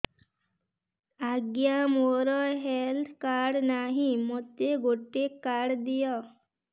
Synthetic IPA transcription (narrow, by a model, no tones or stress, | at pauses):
aɡjamoɾɔɦelt̪ʰkaɽnaɦĩmot̪ːeɡoʈːekːaɽd̪ijɔ